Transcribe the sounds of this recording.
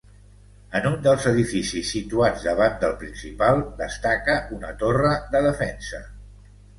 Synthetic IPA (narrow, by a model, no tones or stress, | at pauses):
ənund̪əlˠzəðifisisːit̪uad͡zd̪əβand̪əlˠpɾinsipalˠd̪əst̪akəunə̰t̪orəðəðəfɛnsə